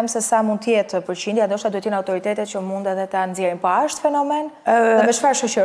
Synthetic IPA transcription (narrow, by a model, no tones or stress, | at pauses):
ɛmsɛsamund̪t̪əjɛt̪əpəɾt͡ɕind̪jand̪ɔʃt̪ad̪uhɛt̪jɛnawt̪ɔɾit̪ɛt̪ɛt̪t͡ɕəmund̪aðɛt̪anzjɛɾinpaʃt̪fɛnɔmɛnɛvɛt͡ʃfaɾʃɔʃəɾ